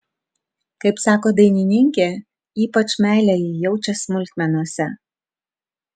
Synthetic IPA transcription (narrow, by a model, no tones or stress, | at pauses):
kɐɪpsɑːkoːd̪ɐɪnʲɪnʲɪŋʲkʲeː | iːpɐt͡ʃmʲæˑɪlʲɛjijɛʊt͡ʃʲɛsmʊlʲt̪ʲmʲɛnuɔsʲɛ